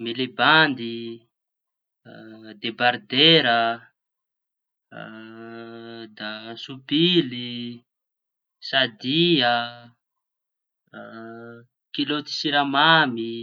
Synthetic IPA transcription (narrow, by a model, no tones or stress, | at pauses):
mileband̪i | d̪ebaɾd̪eɾə | d̪asupili | sad̪iə | kilot̪i̥siɾamami